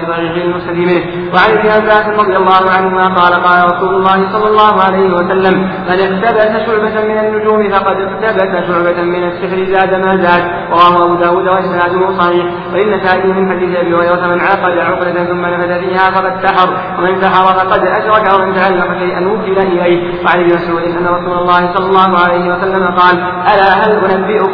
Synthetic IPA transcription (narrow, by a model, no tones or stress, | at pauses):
aɾiːɣɪalmʊɾsad̪iːmɪn | waʕanʔɪbnɪʔabːaːsɪnɾˤɑd̪ˤɨjalˤːɑːhʊʕanhʊmaːqɑːlaqɑːlaɾˤɑsuːlʊlˤːɑːhɪsˤɑlːɑlˤːɑːɦʊʕalajhɪwasalːam | manɪqt̪abat̪aʃʊʕbamɪnanːʊd͡ʒuːmɪfɑqɑd̪ɪqt̪abat̪aʃʊʕbamɪnasːɪħɾɪzaːd̪amaːzaːd̪ | ɾˤɑwaːhʊʔabuːd̪aːwuːd̪waʔɪsnaːd̪ʊhʊsˤɑħiːħ | waʔɪnːasaːʔɪːhɪmɪnħad̪iːθɪʔabiːhʊɣajɾat̪manʕɑːqɑd̪aʕʊqlat̪nθʊmːanafat̪afiːhaːfɑqɑd̪saħɑɾˤ | wamɪnsaħɑɾˤɑfɑqɑd̪ʔaʃɾˤɑkawamɪnt̪aʕalːɑqɑʃajʔanwʊkːɪlaʔɪlaj | waʕalɪjɪmasʕuːd̪ɪnʔanːaɾˤɑsuːlalˤːɑːhɪsˤɑlːɑlˤːɑːɦʊʕalajhɪwasalːamaqɑːl | ʔalaːɦalʔʊnabːɪʔʊ